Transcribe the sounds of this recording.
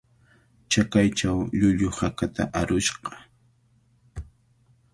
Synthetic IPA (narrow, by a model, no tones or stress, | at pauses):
t͡ʃakajt͡ʃawʎʊʎʊhakat̪a̰ʔaɾʊʃqɑ̥